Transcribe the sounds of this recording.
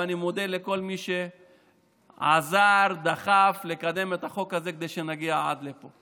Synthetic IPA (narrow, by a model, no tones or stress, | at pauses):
animo̞d̪eleko̞lmiʃe | a̰zaʁd̪aχaflekad̪e̞met̪aχo̞khazeked̪ejʃe̞naɡiaa̰d̪lepo̞